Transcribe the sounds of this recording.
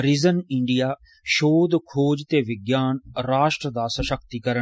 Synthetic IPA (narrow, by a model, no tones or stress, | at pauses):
ɾɪzənɪɳɖijaː | ʃoːd̪kʰoːd͡ʒt̪eːʋɪɡjaːnɾaːʃʈɾəd̪aːsəʃəkt̪iːkəɾə